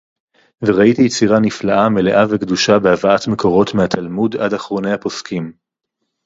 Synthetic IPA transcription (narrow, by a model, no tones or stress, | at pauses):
veʁaitijet͡siʁaniflaʔame̞le̞ʔavekduʃabeavaatme̞kʰo̞ʁo̞tmehat̪ʰalmudadaχʁo̞nehapo̞skim